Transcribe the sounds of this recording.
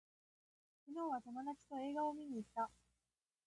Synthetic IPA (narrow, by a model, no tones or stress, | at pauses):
kʲino̞ːβat̪omanat͡ɕi̥t̪o̞e̞ːɡao̞mʲiɲ̟iːt̪ːa